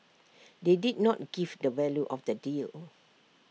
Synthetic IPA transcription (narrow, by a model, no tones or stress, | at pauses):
dedid̚nɔt̚ɡ̥ivdəvɛljuʔɔfdədil